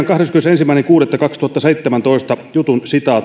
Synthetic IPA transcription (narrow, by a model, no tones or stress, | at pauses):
ŋkɑhɾeskymnesensimːæineŋkuːɾet̪ːɑkɑkst̪uhɑt̪ːɑseit̪ːemænt̪oist̪ɑjut̪unsit̪ɑː